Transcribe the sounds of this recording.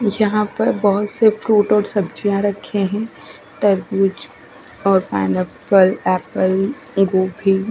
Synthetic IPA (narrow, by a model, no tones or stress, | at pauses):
jɐɦãpɐɾbɐɦʊt̪sefɾuːʈɔːɾsɐbd͡ʒijãɾɐkʰeɦɛ̃ | t̪ɐɾbuːd͡ʒ | ɔːɾpɛ̰ːnepəlɛːpəl | ɡoːbʱi